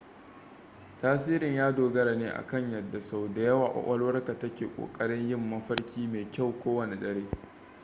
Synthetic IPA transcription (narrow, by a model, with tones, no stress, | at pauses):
taː˦s̬iː˦ɾɪ˨ɲjaː˦doː˨ɡɐ˦ɾa˨neː˦ʔa̰˨kɐ˦˨ɲjɐ˨dːa˨sa˦wda˨jɐ˦waː˨ʔʷɔ̰˦˨ʔʷɐ˦lwɐ˦rka˨tɐ˦kʲeː˨kʷʼo̰ː˨kʼɐ˦ɽɪ˦ɲjɪ˦mːɐ˦ɸɐ˦rkʲiː˦meː˨kʲa˦˨wkʷoː˦wɐ˨ne˨ɗɐ˦ɽeː˦